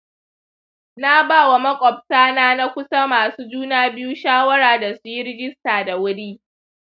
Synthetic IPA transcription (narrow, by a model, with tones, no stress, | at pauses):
na˦baː˦˨wa˨mɐ˦kʷʼɔ˨b̚saː˦naː˦na˦kʷʊ˦sa˦maː˨suː˦d͡ʒuː˦naː˦bɪ˦ju˦ʃaː˦wɐ˦ɽaː˨da˨su˨ji˦ɾɪ˦ɡʲɪ˦staː˨da˨wʊ˦ɽiː˦